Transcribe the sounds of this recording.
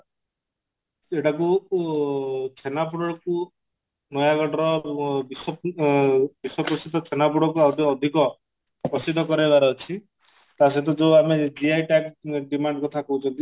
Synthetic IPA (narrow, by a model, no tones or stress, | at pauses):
eʈaku | t͡ʃʰenap̬uɽɔɽɔku | nɔjaɡɔʈɾɔbiswɔ | biswɔpɾɔsid̪ʱɔt͡ʃʰenap̬uɽɔkuawd̪ɔːd̪ʱikɔ | pɔsid̪ʱːɔkɔɾebaɾɔːt͡ʃʰi | t̪as̬et̪̬ɔd͡ʒewamed͡ʒiajʈakɖimaɳɖkɔt̪ʰakɔɦut͡ʃʰɔnt̪i